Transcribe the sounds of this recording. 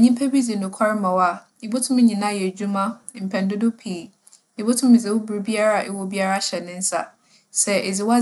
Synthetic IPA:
a˨ɲĩ˦pʰɛ˦bi˦d͡zi˨nʊ̃˨kʷʰa˦ɾmã˨wa˨ | i˨bo˦tʰʊ̃˦m˦ɲĩ˨nã˦˨jɛ˨d͡ʑu˦mã˦˨m̩˨pʰɛ̃˨n˦dʊ˦do˦pʰiː˨ | ɪ˨bo˦tʰʊ̃˦mɪ˨d͡ze˨wʊ˦bu˨ɾbi˦a˦ɾa˦a˨ʔɪ˨wɔ˦bi˦a˦ɾa˦˨ɕɛ˨nɪ̃˦n̩˦sa̰˨ | sɛ˦e˨d͡zɪ˨˦wɔ˦

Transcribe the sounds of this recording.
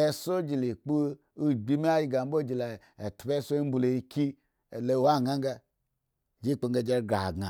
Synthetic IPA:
e˧so˦d͡ʒi˨li˨k͡pu˦ | i˦ɡ͡bi˦mi˦a˦ji˧˦ɡa˨m˦bo˦d͡ʒi˨la˨e˨tbe˦so˦i˦m̩˦bu˧lo˨i˧ki˦ | e˨lo˧˨wa˦˨ɡa˦ŋɡa˧˨ | d͡ʒi˦k͡po˧ŋɡa˧d͡ʒe˦ɡa˨ɡa˨

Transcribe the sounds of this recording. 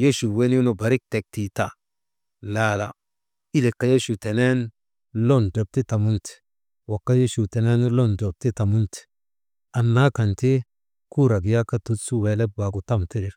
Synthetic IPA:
je˦ʃu˨we˦nju˦no˨ba˨ɾi˦k̚te˨k̚ti˨ta˨ | la˨la˨ | i˦le˨kːa˨˦je˦ʃu˨te˨ne˦n | lo˦˨ndɔ˨b̚ti˦ta˨mu˦nt | wa˨kːa˦je˦ʃu˨tɛ˨ne˦nlo˦˨ndo˨b̚ti˦ta˨mu˦nt | a˨nːa˦ka˨nti˦ | ku˦ɾa˨ɡja˦ka˦tu˦tsu˦we˨lɛ˦ba˨ɡu˨ta˦mti˦ɾi˨ɾ

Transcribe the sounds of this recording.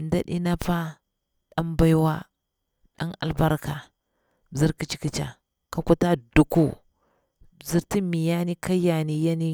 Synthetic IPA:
nda˦ɗḭ˦na˦pa˦ | ɗa˦mba˦i˦wa˦ | ɗa̰˦ŋa̰˨lba˦ɾka˨ | zi˦ɾki˦t͡ʃi̥˦ki˦t͡ʃa̰˨ | ka˦ku˦ta˦du˨ku˦˨ | zi˦ɾti˦mi˨ja˦ni˦ka˦ja˨ni˨ja˦ni˦

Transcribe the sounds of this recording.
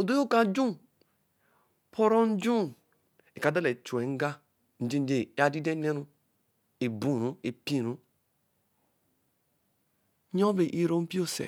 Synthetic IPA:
o˨do˦jo˦ka˨d͡ʒu˦ | pʰo˦ɾo˦n̩˦d͡ʒu˦ | e˨ka˨˦da˦le˨t͡ʃu˨e˨ŋ̩˦ɡa˦ | n̩˨d͡ʒe˦n˦d͡ʒe˨˦a˨di˦de˦ne˦ɾu˦ | e˨bũ˨ɾu˦e˨pi˦˨ɾu˦ | ɲo˦ve˨ʔi˦ɾo˦m̩˦pi˦o˦sḛ˨

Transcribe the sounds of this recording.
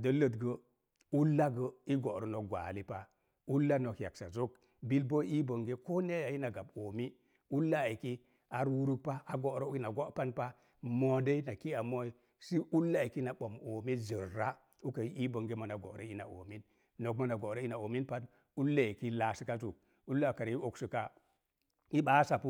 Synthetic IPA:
də˦lə˨tɡə˦ | u˦lːa˦ɡə˦i˦ɡo˨ɾə˨no˨k̚ɡʷa̰˨li˦pa˦ | u˦lːa˦no˨kja˨ksa˨zo˦k | bi˦lbo˦i˦bə˨ŋɡe˦ko˦ne˦ja˨i˦na˨ɡa˨bo˨mi˦ | u˦lːa˦a˨ki˦ | a˨ɾwu˦ɾu˦k̚pa˦a˨ɡo˨ɾo˦i˦na˨ɡo˦ʔpa˦npa˦ | mo˨de˦i˦na˨ki˦a˨mo˦i˦ | si˦ʔu˦lːa˦˨ki˦na˨ɓo˨mo˨mi˦zi˨ɾːa˦ | u˦ka˨˦i˦bo˨ŋɡe˦ma˨na˨ɡo̰˨ɾe˦i˦na̰˨ʔo̰˨mi˦nː | o˨k̚ma˨na˨ɡo˨ɾe˦i˦na˨o˨mi˦npa˦d | u˦lːa˦je˨ki˦la˨si˦ka˦tu˨k̚ | u˦lːa˦˨ka˨ɾi˦o˨ksi˨ka˦ | i˦ɓa˦sa˨pu˦

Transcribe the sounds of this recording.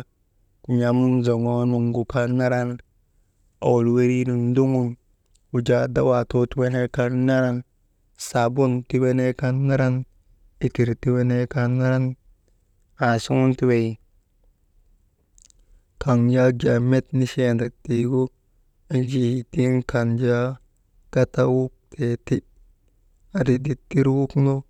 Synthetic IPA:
ku˨ɲa˨mu˦nzo˨ŋo˦nu˨ŋɡu˨ka˦nnːa˦ɾa˦n | a̰˨wu˨lwe˦ɾi˦ni˨ndu˦ŋu˦n | u˨d͡ʒa˨da˦wa˨to˦ti˦we˦ne˦ka˦nna˦ɾa˦n | sa˨bu˦nti˦we˦ne˦ka˦nːa˦ɾa˦n | i˦ki˨ɾti˦we˦ne˦ka˦nːa˦ɾa˦n | a˨si˦ŋu˦nti˦we˨ji˨ | ka˨ŋja˦ld͡ʒa˨me˦tni˦ʃe˦nda˨ti˨ɡu˦ | i˦nd͡ʒi˨i˨ti˦nka˨nd͡ʒa˦ | ka˦ta˦wu˦k̚tʰe˨ti˦ | a˨di˨di˦tːi˦ɾwu˦kno˦

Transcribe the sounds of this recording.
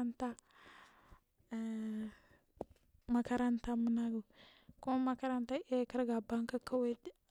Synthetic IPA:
nta˦˨ | ma˦ka˦ɾa˦nta˦mu˦na˦ɡu˨ku˦ma˦ma˦ka˦ɾa˦nta˦ʔa˦ka˦ɾɡa˨ba˦ŋka˦kʰa˦we˦d

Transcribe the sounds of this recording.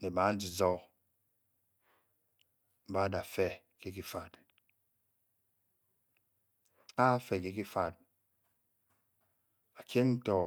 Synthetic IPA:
ne˨ba˨˦n̩˦d͡ʒi˨zɔ˦k | m̩˨ba˦da˨fɛ˦ | ke˦ki˦fa˨t | a˦fɛ˨ke˦ki˦fa˨t̚ | a˨kje˦ŋn̩˦tɔ˨

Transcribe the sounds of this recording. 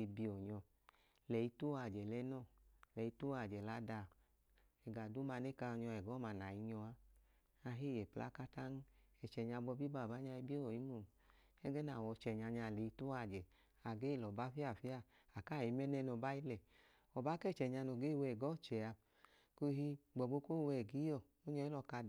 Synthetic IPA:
e˧bi˧ɔ˨ɲɔ˧ | lɛ˨i˧tu˦a˧˨d͡ʒɛ˨lɛ˧˦nɔ˦˨lɛ˨i˧tu˦a˧˨d͡ʒɛ˨la˨˧˦da˧˨ | ɛ˨ɡa˨du˨˦ma˧ne˦ka˧ɔ˧ɲɔ˧ɛ˨ɡɔ˦˨ma˨˧˨na˨i˧ɲɔ˧a˧ | a˧ɦi˦˨jɛ˨pla̰˦ka˦ta˦n˦ɛ˨t͡ʃɛ˨ɲa˧bɔ˧bi˦ba˨ba˨˦ɲa˧i˧bi˦ɔ˨i˨˦mu˨ | ɛ˦ɡɛ˦na˨wɔ˧˦t͡ʃɛ˨ɲa˧ɲa˧˨lɛ˨i˧tu˦a˧˨d͡ʒɛ˨ | a˨ɡe˦˨lɔ˨ba˨˦fi˦a˦˨fi˦a˦˨ | a˨ka˦˨i˧mɛ˦nɛ˧nɔ˧˨ba˦i˦lɛ˨ | ɔ˨ba˦kɛ˦˨t͡ʃɛ˨ɲa˧no˨ɡe˦˨wɛ˧˨ɡɔ˨˦˨t͡ʃɛ˨a˧ | ko˧˦ɦi˧ɡ͡bɔ˨ɡ͡bo˧ko˦˨wɛ˨ɡi˨˦ɔ˧˨ | o˦ɲɔ˧˦i˦lɔ˧˨ka˧˨

